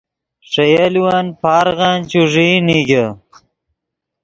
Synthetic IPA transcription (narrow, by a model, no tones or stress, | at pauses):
ʂɐjaliwanpaːɾʁant͡ɕuʐiniɡɐ